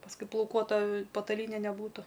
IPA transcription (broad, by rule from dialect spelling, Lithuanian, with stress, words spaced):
pɐsˈkʊɪ plˠɐʊˈkuɔtɐ pɐtɐˈlʲiːnʲɛ nʲɛˈbuːtʊ